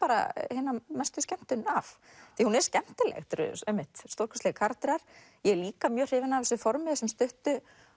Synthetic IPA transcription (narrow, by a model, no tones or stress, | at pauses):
paːɾa̰hɪːnamɛst̪ʏscɛm̥t̪ʏnaf | θihunɛɾ̥scɛm̥t̪ɪlɛ̰ɣt̪ɾʏ̰ðɛmːɪht̪st̪oɾkʰɔ̥slɛɣkʰaɾt̪ɪɾaɾ̥ | jɛɛliːkamjœːr̥ɪːvɪnaːvɛsʏfɔɾmɪðɛsɛmst̪ʏht̪ʏ